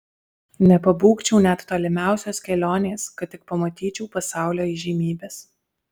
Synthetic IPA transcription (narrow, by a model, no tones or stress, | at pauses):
nʲɛpɐbuːkt͡ʃʲɛʊnʲɛt̪t̪oːlʲɪmʲæˑʊsʲoːskʲɛlʲoːnʲeːskɐt̪ːʲɪk̚pɐmɐt̪ʲiːt͡ʃʲɛʊpɐsɑˑʊlʲoːɪʒʲiːmʲiːbʲeːs